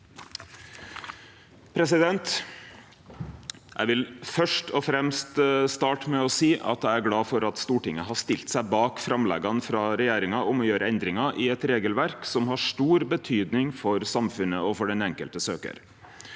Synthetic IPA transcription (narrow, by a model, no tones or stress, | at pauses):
pʰɾɛsɪd̪ɛnt̪ | ʔæ̰ɪʋɪlfœʂʈɔfɾɛmst̪st̪ɑːʈəmɛɔsiːʔɑ̰t̪æɪæɾɡlɑːfɔɾɑt̪st̪uːʈɪŋəɦɑʂt̪ɪlt̪sæɪbɑːkfɾɑmlɛ̰ɡɑnfɾɑɾɛjeːɾɪŋɑʔɔmɔjøːɾəɛnd̪ɾɪŋɑʔɪɛt̪ɾeːɡəlʋæɾksɔmɦɑʂʈuːɾbət̪ʰyːd̪nɪŋfɔɾsɑmfʉnəɔfɔɖɛnɛŋkəlt̪əsøːkə̰ɾ